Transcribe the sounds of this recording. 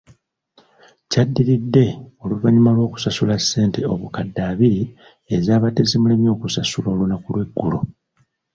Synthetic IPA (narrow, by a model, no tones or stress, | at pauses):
cadːiɾidːe̞o̞luβaɲimalwo̞ːku̥sasulasːe̞ːnte̞o̞βukadːaːβiɾi | ezaːβate̞zimulemjo̞ːkusasuloːlunakulwe̞ɡːulo